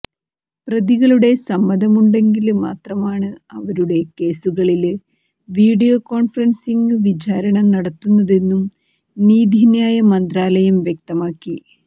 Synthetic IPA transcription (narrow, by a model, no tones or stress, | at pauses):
prɐðiɣɐɭuɽe̞sɐmːɐd̪ɐmuɳɖe̞ŋɡilma̰ːt̪rɐmaːɳɨɐʋɐɾuɽe̞ke̞ːsuɣɐɭil | ʋiːɖijo̞ːko̞ːɳfɐrɐnsiŋɡɨʋit͡ɕaːɾɐɳɐmnɐɽɐt̪ːunːɐðe̞nːum | niːd̪ʱinjaːjɐmɐnd̪ɾaːlɐjɐmʋjek̚t̪ɐmaːkːi